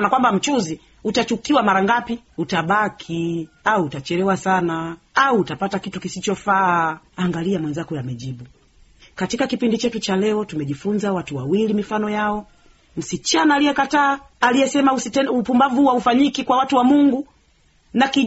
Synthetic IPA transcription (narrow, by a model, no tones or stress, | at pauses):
nakwambam̩t͡ʃuzi | utat͡ʃukiwamaɾaŋɡapi | utaɓakʰiauːtat͡ʃɛɾɛwasana | auːtapatakitukisit͡ʃɔfaːaŋɡaliamwɛnzakɔjamɛʄiɓu | katikakipindit͡ʃɛtut͡ʃalɛɔtumɛʄifunzawatuwawilimifanɔjaɔ | m̩sit͡ʃanaːlijɛkataːalijɛsɛmausupumbavuaufaɲikikwawatuwamuŋɡu | naki